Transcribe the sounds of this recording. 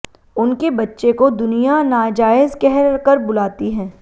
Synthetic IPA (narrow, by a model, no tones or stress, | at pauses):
ʊnkebɐtːʃekod̪ʊnijanaːd͡ʒaːɪzkɛɦkɐɾbʊlaːt̪iɦɛ̃ː